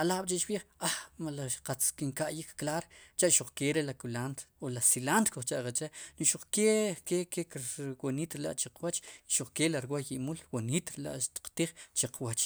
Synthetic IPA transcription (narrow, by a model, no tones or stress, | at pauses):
alaːɓt͡ʃeʔt͡ʃɓiːχamalaʃqat͡skiŋkaʔjikːlaːɾt͡ʃaʔʃuχkeɾelakulant̪olasilant̪koχt͡ʃaʔqet͡ʃenuʃuq͡χkekekekwoniːt̪ɾela̰ʔt͡ʃiqwat͡ʃiʃuχkelaɾwajiʔmulwonit̪ɾela̰ʔʃt̪i̥q͡χt̪iːχt͡ʃeqwat͡ʃ